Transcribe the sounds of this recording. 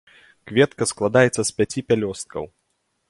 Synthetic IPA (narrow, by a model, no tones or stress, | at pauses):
kvʲɛt̪kɐsklˠad̪ajɛt̪sɐspʲat͡sʲipʲalʲɔst̪̚kɐ̰w